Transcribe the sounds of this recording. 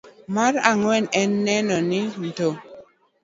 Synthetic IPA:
maɾaŋwɛnɛnːɛnɔnin̩to

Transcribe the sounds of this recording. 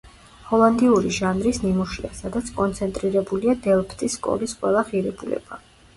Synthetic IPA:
hɔlˠand̪iuɾiʒanɾisnimuʃiasad̪at̪sʰkʼɔnt̪sʰɛnt̪ʼɾiɾɛbuliad̪ɛlˠpʰt̪ʼiskʼɔ̰lisqʼwɛlˠaʁiɾɛbulɛ̰b̥a

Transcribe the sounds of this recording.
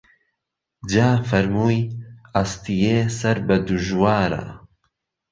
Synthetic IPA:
d͡ʒaːfɐɾmuːjaːst̪ijeːsɐɾbɐd̪uʒwaːɾa̰

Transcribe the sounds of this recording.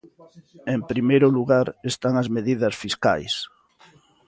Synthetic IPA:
empɾimejɾʊluɣaɾest̪aŋɐzmeðiðɐsfiska̰js

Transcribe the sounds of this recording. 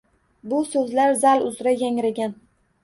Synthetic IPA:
bʊsɵzlaɾzalʊzɾajaŋɾaɡʲan

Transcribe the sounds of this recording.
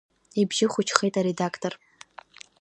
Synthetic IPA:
ibʒɪχʷʊt͡ʃʰχejtʼaɾe̞dakʰtʰor

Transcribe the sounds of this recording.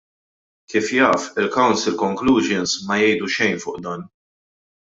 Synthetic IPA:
kiːfjɐːfɪlkɐwnsɪlkɔŋkluːd͡ʒɪnsmɐjɛjd̪uʃɛjnfʊːʔd̪ɐːn

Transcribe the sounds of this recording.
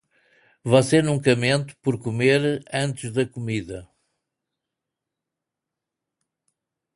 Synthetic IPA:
vaseɾnũŋkɐmẽnt̪u̥pɔɾkumeɾɐ̃nt̪ɨʒðɐkumiðɐ

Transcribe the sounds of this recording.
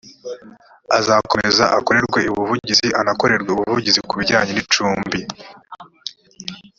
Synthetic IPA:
azako̞me̞zaʔa̰ko̞ɾe̞ɾɡwe̞uβuvuɟiziʔanako̞ɾe̞ɾɡweuβuvuɟizikuβiɟaːɲenit͡ʃuːmbi

